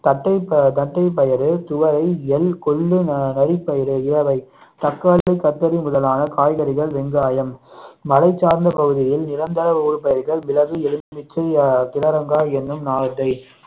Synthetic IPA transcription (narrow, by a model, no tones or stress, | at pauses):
t̪ɐʈːɐɪpt̪ɐʈːɐɪp̬ːɐjɐɾɯt̪ʊʋɐɾɐɪɛlkɔɭːɯnnɐɾɪpːɐjɐɾɯɪɻɐʋɐɪt̪ɐkːaːlɐɪkːɐt̪ːɐɾimʊðɐlaːnɐkaːjɣɐɾɪɣɐɭʋɛŋɡaːjɐmmɐlɐɪt͡ʃːaːɾnd̪ɐpɐɣɯðɪjɪlnɪɾɐnd̪ɐɾɐʋɐuːɻpɐjɐɾɣɐɭmɪlɐʋɯɛlɯnd̪ʋɪt͡ʃːɐɪkɪɽɐɾɐŋɡaːɛnːɯmnaːɻɐt̪ːɐɪ